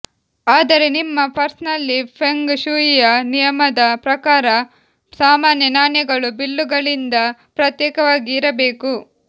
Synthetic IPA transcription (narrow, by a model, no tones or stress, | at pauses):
aːd̪ɐɾe̞nimːɐpʰɐɾsnɐlːipʰeŋɡʃujijɐnijɐmɐd̪ɐpɾɐkaːɾɐ | saːmaːnjɐnaːnjɐɡɐɭubilːuɡɐɭind̪ɐpɾɐt̪jɛːkɐʋaːɡiːɾɐbeːku